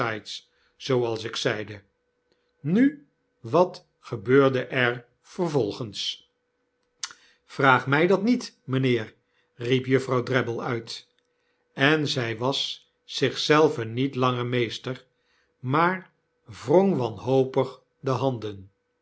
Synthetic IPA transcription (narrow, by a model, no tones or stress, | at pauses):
ajts | zowɑlˠsɪksɛjdə | ny | ʋɑt | χəbøːɹdəʔɛɹ | v̥ərvɔlˠχəns | v̥raːχmɛjdɑtnit | mənɪːr | ripjɵfrɑwdrɛbəlˠœɥt | ɛnzɛjʋɑs | sɪχsɛlˠvənitlɑŋəɹmejstəɹ | maːɹ | vroŋʋɑnɦowpəχ | dəɦɑndən